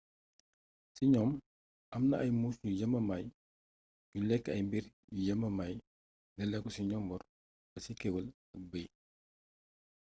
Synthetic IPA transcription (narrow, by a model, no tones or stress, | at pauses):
siɲɔm | ʔɐmnɐʔɐjmuːsjujɐmɐmɐj | julɛkːɐjmbiɾjujɐmːɐmɐj | nɛlɛkɔsiɲɔmbɔr | bɐsikɛwɐl | ɐk̚bəj